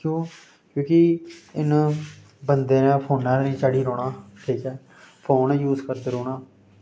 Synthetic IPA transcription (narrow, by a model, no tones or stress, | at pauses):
kjõː | kjõːkɪɪn | bənd̪eːnãːpʰoːnãːiːt͡ʃaːɽiːɾoːɽaːʈʰiːkɛː | pʰoːnɛːjuːzkəɾd̪eːɾoːɽaː